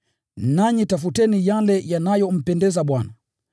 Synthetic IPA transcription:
naɲitafutɛnijalɛjanajɔm̩pɛndɛzaɓwana

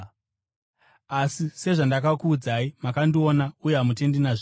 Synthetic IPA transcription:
asise̞ʐandakakuːd͡zaimakandio̞naujeɦamute̞ndinaʐi

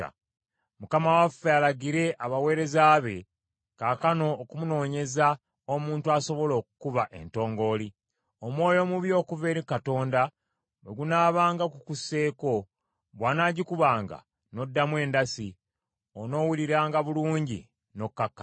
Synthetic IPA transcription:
mukamawafːealaɡiɾe̞ʔaβawe̞ːɾe̞zaːβe̞ | kaːkano̞ːkumuno̞ːɲe̞za | omuːntuaso̞βo̞lo̞ːku̥kuβaʔe̞̰nto̞ːŋɡo̞ːli | omwo̞ːjo̞muβjo̞ːkuve̞ːɾikato̞ːnda | we̞ɡunaːβaːŋɡakukuse̞ːko̞ | βwaːnaːɟikuβaːŋɡa̰ | no̞dːamwe̞ːndasi | ono̞ːwuliɾaːŋɡaβuluːɲɟḭ | no̞kːakːa

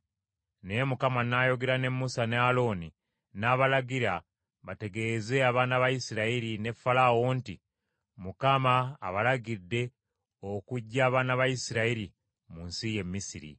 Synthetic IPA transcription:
nemukamanajo̞ɡe̞ɾane̞mːusanealo̞ːni | naβalaɡiɾa | βate̞ɡe̞ze̞aβaːnaβajisiɾaiɾine̞fːalawo̞nti | mukamaːβalaɡidːe̞ | okuɟːaːβaːnaβajisiɾaiɾi | munsije̞mːisiɾḭ

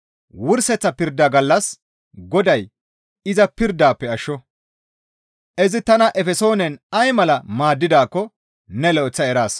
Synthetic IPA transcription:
wʊɾsɛt͡sːɐpɪɾd̪ːaːɡɐlːɐs | ɡɔd̪ɐj | ɪzɐpɪɾd̪ːaːpːɛɐʃːɔ | ʔɛzɪt̪ɐnɐʔɛfɛso̞ːnɛnɐjmɐlɐmaːd̪ːɪd̪aːkːɔ | nɛlɛt͡sːɐɛɾaːs

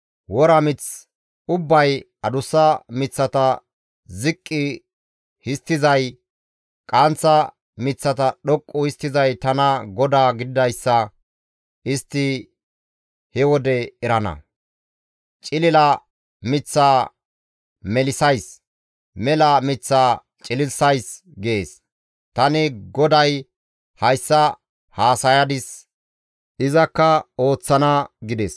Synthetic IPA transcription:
wɔɾɐmɪt͡s | ʊbːɐj | ɐd̪ʊsːɐmɪt͡sːɐt̪ɐ | zɪkʼːɪ | hɪst̪ːɪzɐj | kʼɐnt͡sːɐ | mɪt͡sːɐt̪ɐɗɔkʼːʊhɪst̪ːɪzɐjt̪ɐnɐɡɔd̪aːɡɪd̪ɪd̪ɐjsːɐ | ʔɪst̪ːɪ | hɛwɔd̪ɛɛɾɐnɐ̰ | t͡ʃʼɪlɪlɐ | mɪt͡sːaː | mɛlɪsɐjs | mɛlɐmɪt͡sːaː | t͡ʃʼɪlɪlsɐjs | ɡeːs | t̪ɐnɪɡɔd̪ɐj | hɐjsːɐ | haːsɐjɐd̪ɪs | ʔɪzɐkːɐo̞ːt͡sːɐnɐɡɪd̪ɛs

